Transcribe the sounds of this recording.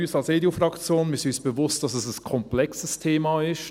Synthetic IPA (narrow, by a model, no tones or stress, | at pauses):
yːsɑlseːdufʁɑkt͡sjoːnmisysb̥əvʊst̚d̥ɑsɛsəskʰɔmplɛksəstʰeːmaɪʃt